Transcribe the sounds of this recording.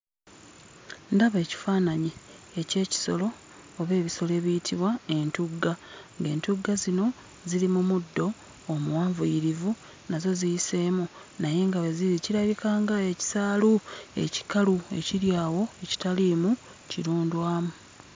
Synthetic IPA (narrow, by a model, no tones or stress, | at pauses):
ndaβe̞ːci̥faːnaɲi | ece̞ːci̥so̞̰lo̞ː | βe̞ːβiso̞le̞ːβijitʰiβwae̞ntuɡːaŋɡe̞ːntuɡːazino̞ | zilimumudːo̞ː | muwaːɱvujiɾivu | nazo̞zijise̞ːmu | naje̞ŋɡaβeziɾiciɾaβikaːŋɡae̞ci̥saːlue̞̰ci̥kalue̞̰ciɾjaːwo̞e̞ci̥talimu | ciɾuːndwaːmu